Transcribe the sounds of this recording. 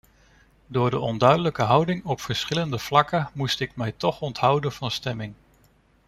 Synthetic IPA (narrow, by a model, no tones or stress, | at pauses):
dʊːɹdəʔɔndœɥdələkəɦʌwdɪŋɔpfəɹsχɪləndəv̥lɑkəmustɪk̚mɛjtɔχɔntɦʌwdənv̥ɑnstɛmɪŋ